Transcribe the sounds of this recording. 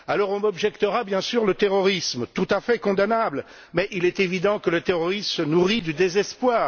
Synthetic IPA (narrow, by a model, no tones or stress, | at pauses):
alɔʁɔ̃mɔbʒɛkt̪əʁabjɛ̃syʁlət̪eʁɔʁismt̪ut̪afɛkɔ̃d̪anabl | mɛʔilɛt̪evid̪ɑ̃kələt̪eʁɔʁissənuʁid̪yd̪ezɛspwaːʁ